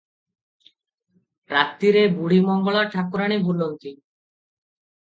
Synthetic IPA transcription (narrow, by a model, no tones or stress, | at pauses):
ɾat̪ːiɾebuɽ̤imɔŋɡoɭaʈʰakuɾaɽ̃ebʱulːont̪i